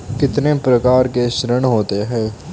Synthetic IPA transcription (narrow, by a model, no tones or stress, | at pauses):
kɪt̪nẽːpɾəkaːɾkeːʃɾəɳɦoːt̪eːɦɛː